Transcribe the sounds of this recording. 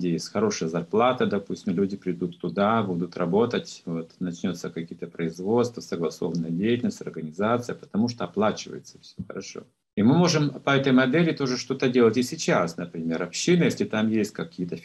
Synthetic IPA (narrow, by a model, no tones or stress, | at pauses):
dʲɪjesʲtʲxɐɾo̞ʂɨjəzɐrplˠat̪əd̪ɐpusʲtʲɪmlʲudʲɪpɾʲɪd̪ut̪ːʊd̪abud̪ʊt̪rɐ̰bo̞t̪ətʲvo̞t̪nɐt͡ɕnʲo̞t̪səkɐkʲijət̪əpɾəɪzvo̞t̪st̪vəsəɡlˠɐso̞vənːəjədʲejɪtʲɪlnəsʲtʲɐ̰rɡənʲɪzat̪sɨjəpə̥t̪ɐmuʂ̬t̪oɐplˠat͡ɕɪvə̰jɪt̪sə̥fsʲoxə̰ɾɐʂo̞̰ | imɨmo̞ʐɨmpɐɛt̪əjmɐd̪ɛlʲɪt̪o̞ʐɨʂt̪o̞t̪ədʲe̞lˠətʲɪsʲɪt͡ɕasnəpɾʲɪmʲe̞ɾɐpɕinɨjesʲlʲɪt̪amjesʲtʲkɐkʲijət̪ə